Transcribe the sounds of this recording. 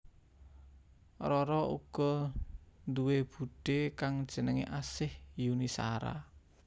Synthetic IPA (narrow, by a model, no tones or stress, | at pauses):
rɔɾɔṵɡ̥ɔ | nd̪uweb̥ṳɖ̥ekaŋd̥ʒ̥ə̤nəŋḛʔasɪhjunisa̰ɾa̰